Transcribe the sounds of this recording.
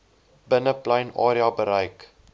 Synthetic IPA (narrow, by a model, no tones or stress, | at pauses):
bənəplajnɑːɾiɑbəɾɐjk